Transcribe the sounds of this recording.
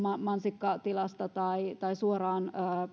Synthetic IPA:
mɑmɑnsikːɑt̪ilɑst̪ɑt̪ɑit̪ɑisuorɑːnəː

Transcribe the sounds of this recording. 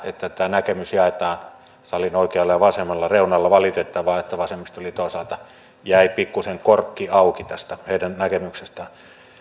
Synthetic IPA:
et̪ːæt̪æːnækemysjɑˑet̪ɑːn | sɑlinoˑikeɑlːɑjɑʋɑsemːˑɑlːɑreˑunɑlːɑʋɑlit̪et̪ːɑʋɑːet̪ːæʋɑsemist̪olit̪oˑesɑlt̪ɑ | jæˑipikːuseŋkorkːiɑˑukit̪æst̪æheˑidænnækemyksest̪ɑn

